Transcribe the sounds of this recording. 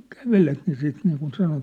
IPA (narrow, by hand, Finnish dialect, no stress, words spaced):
kæʋelet jɑ siːt niːkun sɑnon